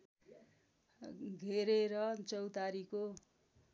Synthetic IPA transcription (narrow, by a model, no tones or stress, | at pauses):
ɡʱeɾeɾʌt͡sʌwt̪aɾiko